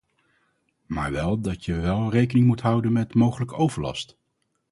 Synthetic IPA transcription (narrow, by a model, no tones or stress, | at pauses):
ma̰ːɹʋɛlˠdɑtjəʋɛlˠrejkənɪŋmutɦʌwdənmɛtmowχələkəowvəɹlɑ̰st